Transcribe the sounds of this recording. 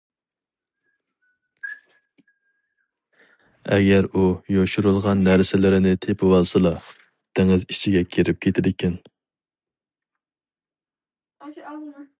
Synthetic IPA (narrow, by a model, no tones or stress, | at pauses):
ɛ̰ɡʲɛɾujoʃuɾulˠʁɑnːæɾsɪlɪɾɪnɪt̪ʰepʰɪwɑlˠsɨlˠɑ | t̪ʰeŋɪzit͡ʃʰiɡʲɛkʲʰeɾɪp̚kʲʰet̪ʰɪd̪ɪkʲɛn